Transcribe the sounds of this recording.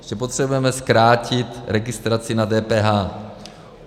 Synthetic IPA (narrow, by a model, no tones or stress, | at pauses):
ʒ̥ɛpo̞t̪r̝̥ɛbujɛmɛskɾaːcɪt̪ɾɛɡɪst̪ɾat͡sɪnadɛːpɛːɦaː